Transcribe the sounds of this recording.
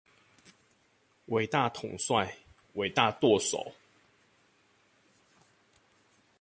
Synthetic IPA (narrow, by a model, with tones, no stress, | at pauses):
wʔe˨˩ɪt̪a˥˨t̪ʰʊ˨˩ŋswa˥˨ɪ | wʔe˨˩ɪt̪a˥˨t̪wɔ˥˨so̰˨˩˦ʊ